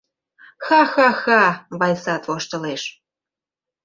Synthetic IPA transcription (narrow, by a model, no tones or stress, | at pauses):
xɑxɑxɑβɑjsɑt̪voʃt̪ɤ̆leʃ